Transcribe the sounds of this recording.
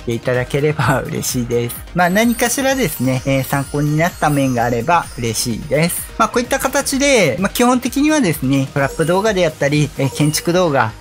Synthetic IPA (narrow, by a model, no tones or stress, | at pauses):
t̪e̞it̪ad̪ake̞ɾe̞baɯ̟̰ɾe̞̰ɕiːd̪e̞sɨ̥maːnaɲ̟ikaɕiɾad̪e̞sɨne̞ːsãŋko̞ːɲ̟inat̪ːamẽ̞ŋɡaːɾe̞baɯ̟ɾe̞ɕḭːd̪e̞sɨ̥maːko̞ːit̪ːakat̪at͡ɕid̪e̞makʲihõ̞nt̪e̞kʲiɲ̟iβad̪e̞sɨne̞t̪o̞ɾapːɯ̟d̪o̞ːɡad̪e̞jat̪ːaɾʲikẽ̞ɲ̟t͡ɕi̥kɯ̟d̪o̞ːɡa̰